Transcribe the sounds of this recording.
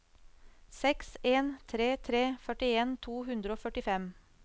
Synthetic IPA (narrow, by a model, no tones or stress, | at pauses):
sɛkseːnt̪ʰɾeːt̪ʰɾeːfœʈɪeːnt̪ʰuːhʉnd̪ɾəoːfœʈɪfɛm